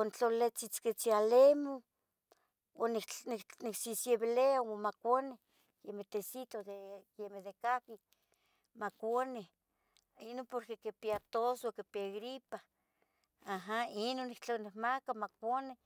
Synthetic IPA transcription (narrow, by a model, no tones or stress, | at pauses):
ont͡ɬolet͡sit͡sket͡sialemo | onnniksisjeβeleawomakʷane | jemet̪esit̪od̪ejjemed̪ekaki | makʷane | inopoɾkekepiat̪osokepiaɣɾipa | aɦainonikt͡ɬonehmakamakʷane